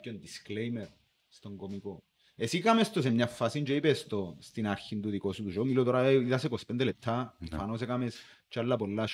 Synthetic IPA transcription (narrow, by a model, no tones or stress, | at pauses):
kːond̪isklejmɛɾ | st̪oŋkɔmiko | esikamest̪os̬emɲafːasind͡ʒejpest̪ost̪inaɾçint̪ud̪ikosut̪uʃomilot̪ɔɾaeit̪asekospɛnd̪elet̪ʰːafanos̬ɛkames | t͡ʃalːap̬ɔlːaʃ